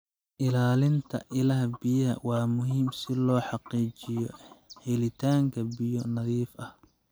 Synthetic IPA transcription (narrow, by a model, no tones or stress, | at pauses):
ʔɪlaːlɪnt̪ʰɐ̰ʔɪlɐɦɐbɪjɐɦɐ̰wɑːmʊɦiːmsɪlɔːħɑqiːt͡ʃɪjɔhɛlɪt̪ʰaːŋkʰɐbɪjɔnɐðiːfɐh